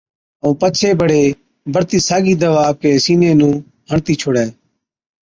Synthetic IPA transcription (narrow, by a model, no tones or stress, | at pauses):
əũːpət͡ʃʰeːbəɽeː | bəɾt̪iːsaːɡiːd̪əʋaːkeːsiːneːnũː | ɦəɳt̪iːt͡ʃʰoːɽɛː